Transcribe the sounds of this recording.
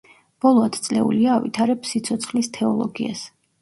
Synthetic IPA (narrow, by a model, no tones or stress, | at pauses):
b̥ɔlˠɔad̪ʰt̪sʼlɛ̰ṵliaːvḭt̪ʰaɾɛbsit̪sʰɔt̪sʰχlist̪ʰɛɔlˠɔ̰ɡia̰s